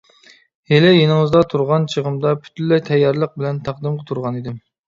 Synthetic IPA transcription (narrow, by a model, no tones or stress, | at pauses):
helɪjenɪŋɨzd̪ɑt̪ʰuɾʁɑnt͡ʃʰəʁəmd̪ɑpʰy̥t̪ʰylːɛjt̪ʰɛjːɑɾlˠəq̚bɪlɛnt̪ʰæqd̪ɨmqət̪ʰuɾʁɑnid̪ɪm